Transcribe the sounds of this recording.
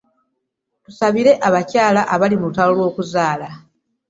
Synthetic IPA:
tusaβiɾe̞ʔaβacaːlaʔaβalimutalolwo̞ːkuzaːla

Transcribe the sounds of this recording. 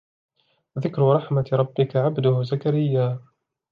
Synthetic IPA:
waðɪkɾʊɾˤɑħmat̪ɾˤɑbːɪkaʕabd̪ʊhʊzakaɾɪjːaː

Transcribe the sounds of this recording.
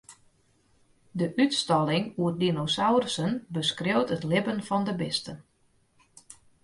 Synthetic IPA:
dəʔytstɔlɪŋuədinosawrsənbəskrewtətlɪbənfɔndəbɪstən

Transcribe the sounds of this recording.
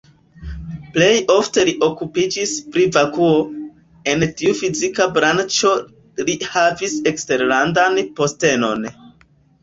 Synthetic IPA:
ple̞jo̞fte̞liʔo̞kupid͡ʒispɾivakuo̞ | entiufizikabɾant͡ʃo̞ | lihavise̞kste̞ɾlandanpo̞ste̞no̞n

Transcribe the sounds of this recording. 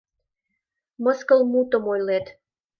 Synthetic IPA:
məskəlmut̪ə̆mojlet̪

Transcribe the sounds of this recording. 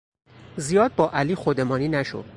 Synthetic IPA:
zijɒːd̪̚bɒːʔæliːxod̪e̞mɒːniːnæʃo̰d̥̪

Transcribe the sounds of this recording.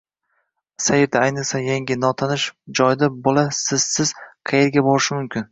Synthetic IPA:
sajeɾd̪aajnɨqsajaŋɡʲɪnɒt̪ʰanɪʃd͡ʒɒjd̪abolˠasɪz̥sɪz̥qʰɑjeɾɡʲabɒɾɪʃɪmʊmkʲʰɪn

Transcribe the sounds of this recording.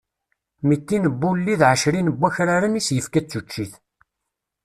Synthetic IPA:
mit̪ːinəbːulːiðʕəʃɾinəbːæçɾaɾanisjəfkæt͡sːut͡ʃːiθ

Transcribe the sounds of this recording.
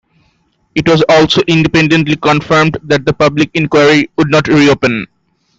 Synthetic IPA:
ɪʈwɔzɔːlsoʔɪ̃nɖipẽɳɖẽnʈlikɔ̃nfəɾmɖd̪æʈ̚d̪əpʌblik̚ɪ̃nkwaɾikʊɖ̚nɔʈɾiopə̃n

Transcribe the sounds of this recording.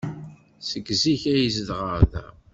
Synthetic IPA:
səɡziçæjəzðʁəɾðæ̰

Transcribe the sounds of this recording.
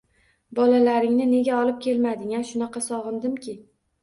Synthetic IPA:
bɒlalaɾɪŋnɪne̞ɡʲaɒlˠɪp̚kʲʰelmad̪ɪŋʲanʃʊnɑqʰɑsɒʁɨnd̪ɪmkʲʰɪ

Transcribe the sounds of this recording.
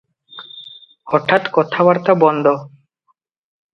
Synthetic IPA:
hɔʈʰːat̪kɔt̪ʰaβaɾt̪abɔnd̪ʱɔ

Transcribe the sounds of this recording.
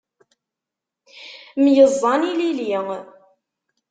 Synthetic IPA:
mjəzˤːɑnililiŋ

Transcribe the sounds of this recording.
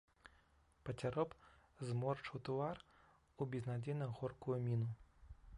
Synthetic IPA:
pɐt͡sʲaɾɔpzmɔrt͡ʂuwt̪ar | ubʲiznad͡zʲɛnɐɣɔrkujumʲinu

